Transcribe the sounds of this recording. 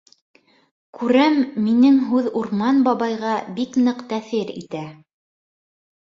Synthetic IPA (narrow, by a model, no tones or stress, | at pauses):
kʉɾæmːinɘŋɦʉðuɾmɑnbɑβɑjʁɑbiknɤqt̪æθɘɾḭt̪æ